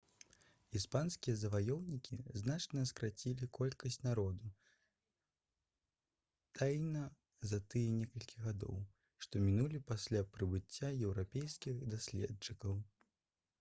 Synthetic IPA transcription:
ispanskʲijɐzɐvajɔwnʲikʲiznat͡ʂnɐskɾat͡sʲilʲikʰɔlʲkɐsʲt͡sʲnaɾɔd̪u | t̪ʰajnɐ | zɐt̪ɨjɛnʲɛkɐlʲkʲiɣad̪ɔ̰w | ʂt̪ɔmʲinulʲipasʲlʲapɾɨbɨt͡sʲːajɛwɾapʲejskʲixd̪asʲlʲɛ̰t͡ʂɨkɐw

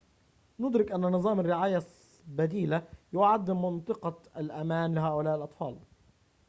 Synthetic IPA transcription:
nʊd̪ɾɪkʔanːanɨzˤɑːmarːɪʕaːja | bad̪iːlajʊʕad̪ːɪmːɑnt̪ˤɨqɑalʔamaːnlɪɦaːʔʊlaːʔɪlʔɑt̪ˤfɑːl

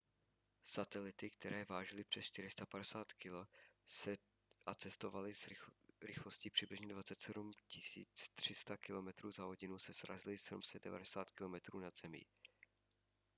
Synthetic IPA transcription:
sat̪ɛlɪt̪ɪk̚t̪ɛɾɛːvaːʒɪlɪpr̝̥ɛsʃt͡ʃt̪ɪɾɪst̪apadɛsaːt̪kɪlosɛ | ʔat͡sɛst̪o̞valɪzɾɪxlo̞sciːpr̝̥ɪblɪʒɲɛdvat͡sɛt̪sɛdumcɪsḭːt͡st̪r̝̥ɪst̪akɪlo̞mɛt̪ɾuːzaɦoɟɪnusɛsɾʔa̰zɪlɪsɛdumsɛdɛ̰va̰dɛsaːt̪kɪlo̞mɛt̪ɾuːnaz̥ɛmḭː

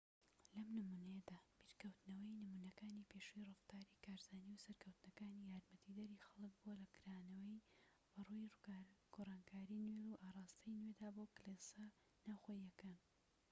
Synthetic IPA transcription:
lɐmnɨmuːnɐjɐd̪aːbiɾkɐwt̪nɐwɐjnɨmuːnɐkaːnipʰeʃujrɨft̪aːɾikʰaːɾzaːniwsɐɾkʰɐwt̪nɐkaːnijaːɾmɐt̪ʰid̪ɐɾiːxɐlˠɨk̚buwɐlɐkɨɾaːnɐwɐj | bɐrujaɡ̥orˤɑːnkʰaːɾinweluʔaːrˤɑːst̪ɐjnwed̪aːboklesɐ | naːwxojɐkaːn

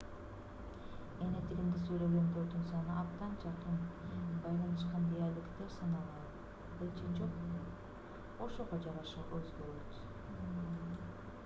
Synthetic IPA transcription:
enet̪ʰiɡimd̪isylø̞ɡønd̪øɾd̪ynsɑnɯʔɑbt̪ɑnd͡ʒɑqɯnbɑjlˠɑnɯʃ̬qɑnd̪ejɑjlˠɯkt̪ɯɾsɑnɑlˠɑlˠ | bɯlˠt͡ʃʰed͡ʒoq̚ | oʃoʁod͡ʒɑʁɑʃɯʔøzɡøɾøt̪

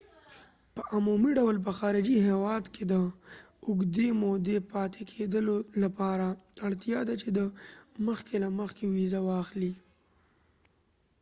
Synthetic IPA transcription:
pəʔamumiɖawlp̬əxɑɾɪd͡ʒiɦewɑd̪ked̪əʊɡd̪emod̪epɑt̪ʰekʰed̪əlolapɑɾaaɽt̪jɑd̪at͡ʃed̪əməxkelaməxkewizawɑxli

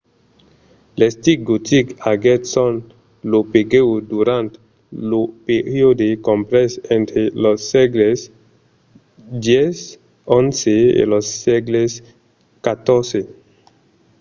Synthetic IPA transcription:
lest̪iɡut̪ikaɡet̪sõn | lopeɡewd̪uɾãnt̪ | lopeɾjod̪ekõmpɾesẽnt̪ɾelosːeɡles | d̪jes | õnseḛlosːeɡles | kat̪oɾse

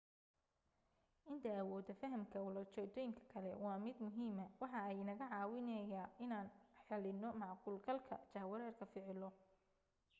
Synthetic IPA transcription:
ʔɪnt̪ʰɐːwɔːd̪ɐfɐɦɐmkʰɐwʊlɐrt͡ʃɛːt̪ʰɔːjɪŋkʰɐ̥kʰɐlɛwɑːmɪd̪mʊɦiːmɐwɑħɑɛjɪnɐɣɐʕɑːwɪnɛjaːɪnaːnħɛlɪnɔmɑʕquːlɡɐlkʰɐ̰t͡ʃɐhwɐɾɛːrkʰɐfɪʕɪlɔ

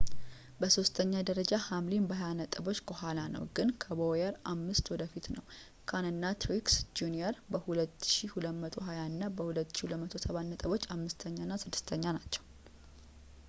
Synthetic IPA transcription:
bəso̞st̪ʰəɲːad̪əɾəd͡ʒahamlinbəɦajanət̪ʼɨbo̞t͡ʃːkəɦalanə̰wɡɨnkʰəbojəɾamːɨst̪wɔd̪əfit̪nəw | kʰanɨnːat̪ʰɾiksd͡ʒuniəɾbəhulət̪ːʃihuləmət̪ʰo̞ɦajaɨnːabəhulət̪ːʃihuləmət̪ʰo̞səβannːət̪ʼəβo̞t͡ʃːamːɨst̪ʰəɲːanːasɨd̪ːɨst̪ʰəɲːanat͡ʃːɛw

